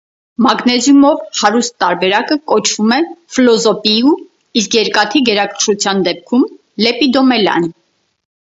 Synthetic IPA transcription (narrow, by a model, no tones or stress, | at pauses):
mɑɡnɛzjumɔvhɑɾust̪ːɑɾbɛɾɑkəkɔt͡ʃʰvumɛflɔzɔpiu | iskjɛɾkɑt̪ʰiɡɛɾɑkʰəʃut͡sʰjɑnd̪ɛp̚kʰum | lɛpid̪ɔmɛlɑ̰n